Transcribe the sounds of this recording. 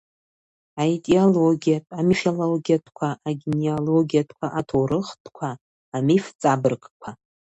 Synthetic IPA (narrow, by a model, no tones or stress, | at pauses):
ajtʼioloɡʲijatʼamifoloɡʲijatʰkʷʰaʔaɡʲeneoloɡijatʰkʷʰaʔatʰowɾɨχtʰʼkʷʰaː | mift͡sʼabɨrkʼkʷʰa